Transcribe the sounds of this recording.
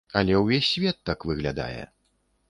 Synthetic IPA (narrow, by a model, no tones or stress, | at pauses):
ɐlʲɛwvʲesʲːvʲɛt̪ːakvɨɣlʲad̪a̰jɛ̰